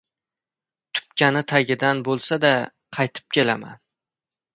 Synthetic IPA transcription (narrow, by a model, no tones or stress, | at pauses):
t̪ʰʊ̥p̚kʲʰanɪt̪ʰaɡʲɪd̪anbolˠsad̪a | qʰɑjt̪ʰɪ̥p̚kʲe̞lama̰n